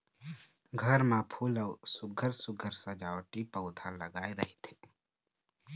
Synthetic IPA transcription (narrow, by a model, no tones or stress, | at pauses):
ɡʱəɾmãːpʰuːlɔːsʊɡʱəɾsʊɡʱəɾsəd͡ʒaːwʈipəʊd̪ʰʱaləɡaːeɾəɦit̪ʰe̥